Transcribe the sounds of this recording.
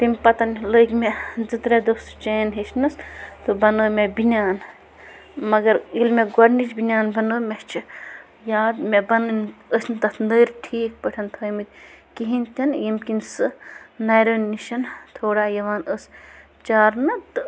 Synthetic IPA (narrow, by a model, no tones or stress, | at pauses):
t̪imʲpɐt̪ɐnləɡʲmed͡zɨt̪ɾed̪ost͡ʃɐːnɦet͡ʃʰnɨst̪ɨbɐnoːmʲebinʲjaːn | mɐɡɐɾilmeɡɐɽnit͡ʃbinʲaːnbɐnoːmʲet͡ʃʰi | jaːd̪mebɐnɨnəsnɨt̪ɐt̪ʰnɨːɾʈʰiːk̚pəʈʰɐnt̪ʰɐːjmit̪ʲkiɦinʲt̪ʰʲɐnjimkinsɨnajɾoːnːiʃɐnt̪ʰoːɽaːjɐʋaːnəsʲ | t͡ʃaːɾnɨt̪ɨ